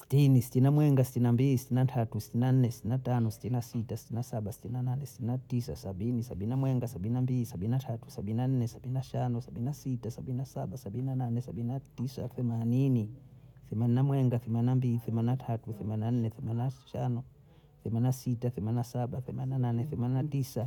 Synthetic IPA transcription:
si̥tinisi̥tinamwɛŋɡasi̥tinambilisitinatʰatusi̥tinan̩nɛsi̥tinatanɔsi̥tinasitasi̥tinasaɓasi̥tinananɛsi̥tiinatisa̰saɓinisaɓininamwɛŋɡasaɓininambilisaɓininatʰatu̥sabininan̩nɛsaɓininaʃanɔsabininasitasabininasaɓasabininananɛsabininatisa̰θɛmaniniθɛmaninamwɛŋɡaθɛmaninambiliθɛmaninatʰatuθɛmaninan̩nɛθɛmaninaʃanɔ | θɛmaninasitaθɛmaninasaɓaθɛmaninananɛθɛmaninatisa

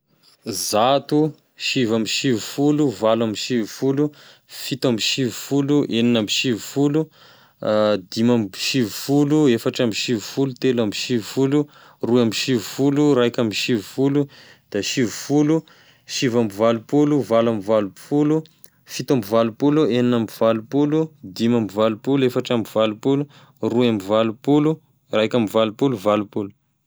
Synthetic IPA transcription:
zat̪u | ʃivamiʃivufuluvalamiʃivufulu | fit̪amiʃivufuluʔeninamiʃivufulu | d̪imamʃivufuluefaʈ͡ʂamiʃivufulut̪elamiʃivufulu | ruamiʃivufuluɾajkʲamiʃivufulu | d̪̥aʃivufulu | ʃivambivalupuluvalamivalupulu | fit̪ambivalupulueninamivalupulud̪imamvalupuluefaʈ͡ʂamivalupulu | ruamivalupulu | rajkʲamivalupuluvalupulu̥

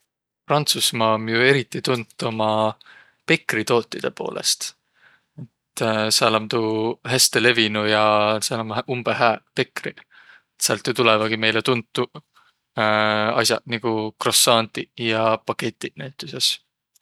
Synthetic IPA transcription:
prɑnt̪susmɑːomjue̞ɾit̪ːˑit̪unt̪ːˑo̞mɑ | pe̞kːrit̪o̞ːt̪ːˑid̪̥e̞po̞̰ːlʔe̞̰st̪ | e̞t̪ːsælɑmt̪uhæst̪e̞le̞vinujɑsælɑmumb̥eɦæːpe̞kri | et̪seɑ̰lt̪jut̪ulevɑɡ̥ime̞jlet̪unt̪ːu | ɑ̰sʲjɑ̰niɡ̥ukro̞sɑːnt̪ijɑpɑket̪ʲːˑinæjt̪ːˑuses

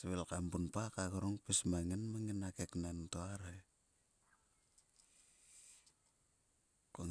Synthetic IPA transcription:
siβelkampunpakaɣaɾoŋpesmaŋenmaŋenakeknantoaɾaj | koŋ

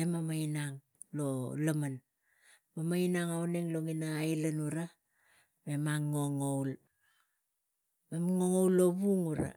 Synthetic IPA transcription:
emamajnaŋ | lolaman | mamajnaŋawneŋloŋinaːjlanuɾa | me̞maŋːoŋowl | memŋoŋowlːo̞βuŋuɾa̰

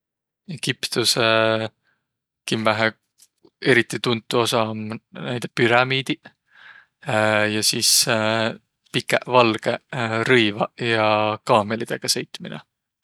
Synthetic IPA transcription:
eɡ̥ipt̪use | kimvæɦe | e̞ɾit̪ːˑit̪unt̪ːˑuo̞sɑmnæjd̪epyɾɑmiːd̪̥i | jɑsiːs | pikːˑeʔvɑlɡ̥eɾɤjvɑjɑkɑːmelid̪̥e̞ɡ̥ɑse̞jt̪ːˑminḛ

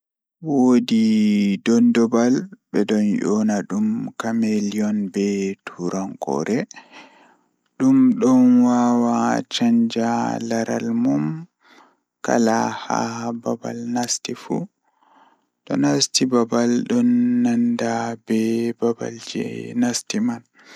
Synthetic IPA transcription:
wodidɔndɔbalbɛɗɔnjɔnaɗumkameliɔnbɛtʰuɾaŋkɔ̰ɾʔɛ | ɗumɗɔnwawat͡ʃaɲd͡ʒalaɾa̰lmum | ka̰laha̰hbaba̰lnastifṵ | tɔ̰nastibabalɗɔnːandabɛbaba̰ld͡ʒɛ̰nastiman

